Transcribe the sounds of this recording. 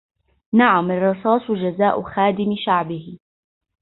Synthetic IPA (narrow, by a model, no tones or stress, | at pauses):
naʕamɑrˤːɑsˤɑːsˤʊd͡ʒazaːʔʊxaːd̪ɪmɪʃaʕbɪhɪ